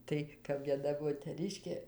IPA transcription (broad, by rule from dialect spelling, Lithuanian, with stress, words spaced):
ˈtɐɪ kɐp ʋʲiɛˈnɐ moːtʲɛˈrʲɪʃʲkʲeː